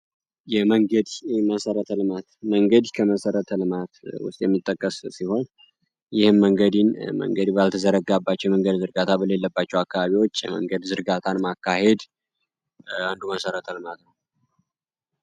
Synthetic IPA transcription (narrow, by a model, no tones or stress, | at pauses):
jɛməŋɡəd̪məsəɾət̪ʰəlɨmat̪məŋɡəd̪kʰəməsəɾət̪ʰəlɨmat̪wʊ̰st̪ʼjɛ̰mːit̪ʼːəkʼːəssiho̞n | jɪhɨmːəŋɡəd̪inmə̰ŋɡəd̪balt̪ʰəzəɾəɡabːat͡ʃːɛwməŋɡəd̪zɨɾɡat̪ʰabəle̞lːəbːat͡ʃːɛwakːaβaβiwo̞t͡ʃːjɛ̰mə̰ŋɡəd̪zɨɾɡat̪ʰanmakːahe̞d̪ | and̪uməsəɾət̪ʰəlɨmat̪nəw